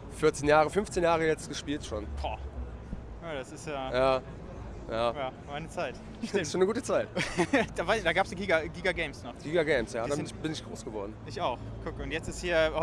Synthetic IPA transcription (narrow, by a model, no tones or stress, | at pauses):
fɪɐt͡senjaːʁəfʏnft͡senjaːʁəjɛt͡stɡ̥əʃpiːltʃoːnbʰɔː | jaɾasɪstjaːjaː | jaːjaːmaɪnət͡saɪt | ɪsʃoːnəɡuːtət͡saɪtd̥avad̥aːɡaːpsjɡiːɡaɡiːɡaɡɛɪmsnɔχɡ̥iːɡaɡɛɪmsjaːdaːɪnɪçbɪnɪçɡ̥ʁo̰ːsɡ̥əvɔɐdn̩ʔɪçaʊxkʰʊkəʊntjɛt͡stɪshiːɐh